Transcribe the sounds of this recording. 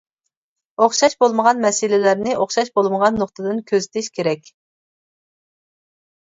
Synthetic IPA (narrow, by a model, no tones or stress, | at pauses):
oχʃɑʃbolˠməʁɑnmɛsɪlɪlæɾnɪʔoχʃɑʃbolˠməʁɑnːoχt̪ʰɨd̪ɨnkʲʰøzɪt̪ʰɪʃkʲʰeɾɛkʲ